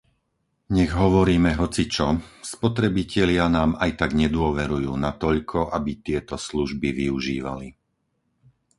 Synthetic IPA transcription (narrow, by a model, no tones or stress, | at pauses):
ɲɛɣɦɔʋɔɾiːmɛɦɔt͡sit͡ʃɔspɔt̪ɾɛbicɛʎɪanaːmajt̪aɡɲɛd̪ʊɔʋɛɾujuːnat̪ɔʎkʰɔʔabit̪ɪɛt̪ɔsluʒbiʋiuʒḭːʋa̰li